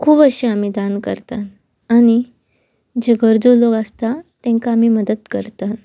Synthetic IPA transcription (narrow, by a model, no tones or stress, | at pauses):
kʰuːbəɕeamid̪ankə̰ɾt̪at̪ | añi | d͡ʑeɡəɾd͡zoloɡast̪at̪ɛ̃ŋkaːmiːməd̪əd̪kəɾt̪at̪